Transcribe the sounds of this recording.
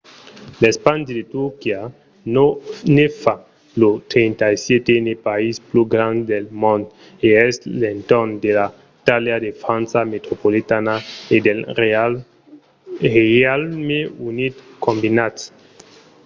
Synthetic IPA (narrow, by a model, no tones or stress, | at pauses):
lespandidet̪ukia | nefa | lot̪ɾentajsjet̪enepaispluɡɾãnd̪delmõnd̪ | eɛslent̪ond̪ela | it̪aljadefɾãnt͡samet̪ɾopolitanaede | eealmeunit̪kombinat